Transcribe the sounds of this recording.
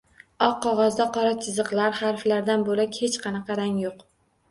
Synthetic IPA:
ɒqʰːɒʁɒzd̪aqʰɒɾat͡ʃʰɪzɨqlˠaɾχaɾflaɾd̪anbolakʲhet͡ʃqʰɑnɑqɑɾaŋjoq

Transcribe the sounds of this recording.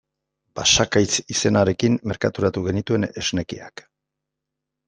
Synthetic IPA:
pasakajt͡sise̞naɾe̞kimːe̞ɾkat̪uɾat̪uɣe̞nit̪ue̞ne̞zne̞kiak

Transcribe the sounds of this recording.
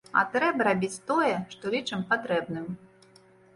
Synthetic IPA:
ɐ̰t̪ɾɛbɐɾabʲit͡sʲt̪ɔjɛʂt̪ɔlʲit͡ʂɐmpat̪ɾɛbnɨm

